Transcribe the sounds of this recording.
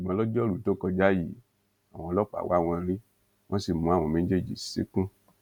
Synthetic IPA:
i˨ɡ͡bã˧lɔ˦d͡ʒɔ˦ɾu˨to˦˨kɔ˧d͡ʒa˦ji˨ | a˨w̃ɔ̃˧lɔ˦k͡pa̰˨wa˦w̃ɔ̃˧ɾĩ˦ | w̃ʔɔ̃˦si˨mũ˨˦a˨w̃ɔ̃˧mẽ˦d͡ʒe˦˨d͡ʒḭ˨sḛ˦kũ˦

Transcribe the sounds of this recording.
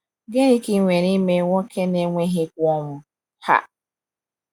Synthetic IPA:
ɡe˦ɾi˦ki˨˦ŋʷe˨ɾi˦me˦ŋʷɔ˦kʰe˦ne˦ŋʷe˦ɦɪ˦kʷɔ˦ŋʷʊ˨ | ha̰˨

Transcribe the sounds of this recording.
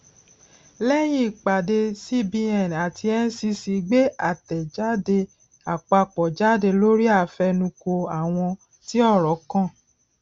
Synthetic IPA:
lɛ˦j̃ĩ˦˨k͡pa˨de˧si˦bi˧ɛ̃˨n˨a˨tʰi˧ɛ˦n̩˦si˧si˧ɡ͡be˦a˦˨tɛ˨d͡ʒa˦de˧ | a˨k͡pa˧k͡pɔ˨d͡ʒa˦de˧lo˦ɾi˦a˦˨fɛ˧nũ˧ko˧a˨w̃ɔ̃˧ | ti˦ɔ˦˨ɾɔ˨˦kã˦˨

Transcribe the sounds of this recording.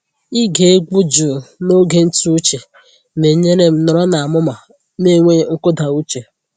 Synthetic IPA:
i˦ɡe˨e˦ɡu˦d͡ʒʊ˨no˦ɡe˦n̩˦tu˦u˦t͡ʃe˨ | me˨˦ɲe˦ne˦m̩˦nɔ˨ɾɔ˦na˨a˨mʊ˦ma˨ | ne˦˨ŋʷe˦ŋ̩˦kʊ˦da˨u˦t͡ʃe˨

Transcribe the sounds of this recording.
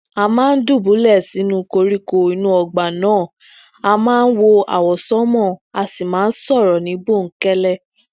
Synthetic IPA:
a˧mãː˦n̩˦du˦˨bu˨˦lɛ˦˨si˨˦nũ˧ko˧ɾi˦ko˧i˧nũ˧˦ɔ˧ɡ͡ba˨nãː˨˦˨ | a˧mãː˦˧n̩˦wo˧a̰˨wɔ˨sɔ˦mɔ̃˦˨a˧si˨mãː˨˦n̩˦sɔ˦˨ɾɔ˨nĩ˨˦bo˦˨ŋ̩˨˦kɛ˦lɛ˦˨

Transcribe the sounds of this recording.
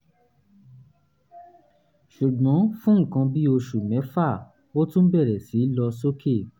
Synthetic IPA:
ʃu˨ɡ͡bɔ̃˨˦fũ˦ŋ̩˦˨kã˧bi˦o˧ʃu˨mɛ̃˨˦fa˦˨ | o˦tũ˦n̩˦bɛ˦˨ɾɛ˨si˨˦lɔ˧so˦kʰe˦˨

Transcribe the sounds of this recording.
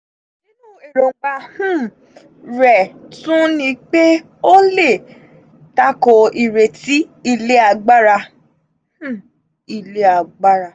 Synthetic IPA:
nĩ˦nũ˦e˨ɾo˨˦ɡ͡ba˧hũ˦˨ | ɾɛ˨tũ˦nĩ˧k͡pe˦ | o˦le˦˨ | ta˦kɔ˧ʔi˨ɾe˨ti˦i˦˧˨le˦a˧ɡ͡ba˦ɾa˧ | h̩˦˨ | i˧˨le˦a˨˧ɡ͡ba˦ɾa˧

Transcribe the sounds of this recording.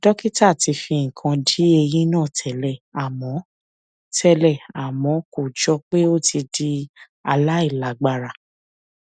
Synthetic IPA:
dɔ˦ki˦ta˦˨ti˧fi˧ŋ̩˨kʰã˧di˦e˧jĩ˦nãː˦˨tʰɛ˨˦lɛ˨a˨mɔ̃˨˦ | tʰɛ˧lɛ˦˨a˨mɔ̃˨˦ko˨d͡ʒɔ˧k͡pe˦o˦ti˧di˧ | a˧la˦i˦˨la˨˦ɡ͡ba˧ɾa˨

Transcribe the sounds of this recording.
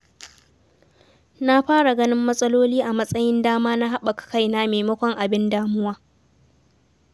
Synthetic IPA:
na˦ɸaː˦ɽa˨ɡɐ˦nɪ˦mːɐ˦sʼɐ˦loː˦liː˦ʔa˨mɐ˦sʼɐ˦jɪ˦ndaː˦maː˦na˦ɦa˦ɓa˨kḁ˨ka˦˨jnaː˦meː˨mɐ˦kʷɔ˦ŋʔa˨bɪ˦ndaː˦mʊ˦waː˦

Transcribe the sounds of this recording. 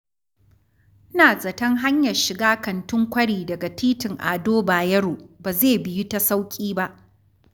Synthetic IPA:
naː˨sʼɐ˨tɐ˦ŋɦa˦ɲjɐ˨rʃɪ˨ɡaː˦kɐ˨ntʊ˦ŋkʷɐ˦ɽiː˨dɐ˨ɡa˨ɸiː˦tɪ˨ŋʔa̰ː˨doː˦baː˨jɐ˦ɽoː˨baː˨zeː˦˨bɪ˨ju˦ta˦sa˦wkʲʼiː˦ba˦ʔ

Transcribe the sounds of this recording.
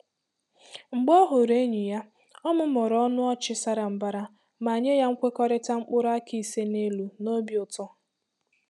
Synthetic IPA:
ŋ͡m̩˨ɡ͡bɔ˦ɦʊ˨ɾe˦ɲi˨ja˦ | ɔ˦mʊ˦mɔ˨ɾɔ˦nʊ˦ɔ˦t͡ʃɪ˦sa˦ɾa˨m̩˨ba˦ɾa˦ | ma˨ɲe˦ja˦ŋ̩˦kʷe˦kɔ˦ɾɪ˦ta˦ŋ͡m̩˦k͡pʊ˦ɾa˦kʰi˨se˦ne˦lu˨no˦bjʊ˨tɔ˦

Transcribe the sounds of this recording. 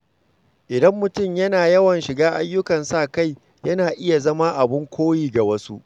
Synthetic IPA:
ʔɪ˨dɐ˦mːʊ˨tʊ˦˨mjɐ˦naː˨jɐ˦wɐ˨nʃɪ˨ɡaː˦ʔa˦jːʊ˦kɐ˨nsaː˦˨ka˦˨j | jɐ˦naː˨ʔɪ˦ja˨zɐ˦ma˦ʔa˨bɪ˦ŋkʷoː˦jiː˦˨ɡa˨wɐ˦su˦ʔ

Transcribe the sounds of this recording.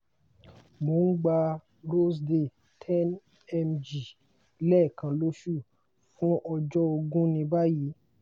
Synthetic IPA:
mo˨˦n̩˦ɡ͡ba˧ | ɾo˦sde˨ | tʰɛ˦n | ɛ˧md͡ʒi˨˦ | lɛ˦˨kã˧lo˦ʃu˦˨ | fũ˦ʔɔ˧d͡ʒɔ˦o˧ɡũ˦nĩ˧ba˦ji˨˦

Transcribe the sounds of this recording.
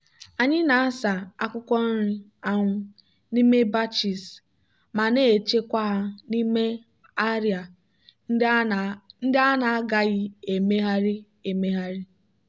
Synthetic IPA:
a˨ɲɪ˦na˨a˦sa˨a˦kʷʊ˦kʷɔ˦n̩˦ɾi˦ | a˦ŋʷʊ˦ | ni˦me˦ba˦t͡ʃi˨s | ma˨neː˦˨e˨t͡ʃe˦kʷa˦ɦa˦ni˦me˦ | a˦ɾja˨˦ | n̩˦da˦na˨a˦ɡa˦ɣɪ˦e˨me˦ɦa˦ɾi˦ | e˨me˦ɦa˦ɾi˦

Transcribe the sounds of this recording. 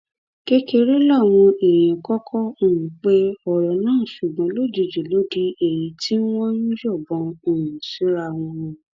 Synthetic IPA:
ke˦ke˧ɾe˦la˦˨w̃ɔ̃˧e˨j̃ɛ̃˨kɔ˦kʰɔ˦o˦˨nũ˨k͡pe˦ɔ˨ɾɔ̃˨nãː˦˨ʃu˨ɡ͡bɔ̃˨˦lo˦˨d͡ʒi˨˧˨d͡ʒu˨lo˨˦di˧e˨ji˨˦tʰi˦n̩˦wɔ˦ɾũ˦d͡ʒɔ˦˨bɔ̃˨˧o˨ɾũ˨si˨˦ɾa˧w̃ɔ̃˧ɔ̃˧

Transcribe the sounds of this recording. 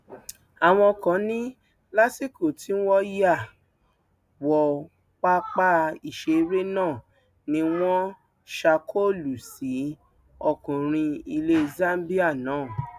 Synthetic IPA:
a˨w̃ɔ̃˧kã˨˦nĩ˦ | la˦si˦ko˦˨ti˦wɔ˦ja˦˨ | wɔ˨ | k͡pa˦k͡pa˦i˨ʃe˧ɾe˦nãː˦˨ | nĩ˧w̃ɔ̃˦ | ʃa˧kʰo˦˨lu˨si˨˦ | ɔ˧˨kũ˨ɾ̃ĩ˧i˧le˦za˦m˦bi˦a˦˨nãː˨˦˨

